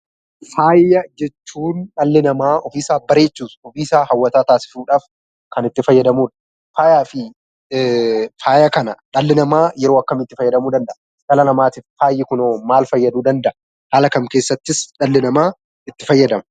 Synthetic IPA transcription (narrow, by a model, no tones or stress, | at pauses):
faːjːɐd͡ʒɛt͡ʃːuːnᶑɐlːɪnɐmaːʔɔfiːsaːbɐɾe̞ːt͡ʃːuːsɔfiːsaːhɐwːɐt̪aːt̪aːsɪ̥suːᶑaːf | kɐnɪt̪ːɪfɐjːɐd̪ɐmuːᶑɐ̥ | faːjaːfɪ | faːjɐkɐnɐᶑɐlːɪnɐmaːjɛɾo̞ːɐkːɐmɪt̪ːɪfɐjːɐd̪ɐmuːd̪ɐnd̪ɐʔɐ | ɡɐlɐnɐmaːt̪ɪffaːjːɪkʊnoːmaːlfɐjːɐd̪uːd̪ɐnd̪ɐʔɐ | haːlɐkɐmkeːsːɐt̪ːɪsᶑɐlːɪnɐmaː | ɪt̪ːɪfɐjːɐd̪ɐmɐ